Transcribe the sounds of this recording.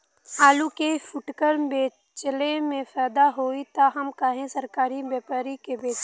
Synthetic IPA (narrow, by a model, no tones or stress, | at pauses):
aːlukefʰʊʈkəɾbeː | t͡ʃlemẽpʰɛːd̪aɦoːit̪aɦɐmkaːɦẽsəɾkaːɾibjɛːpaːɾikebeːt͡ʃ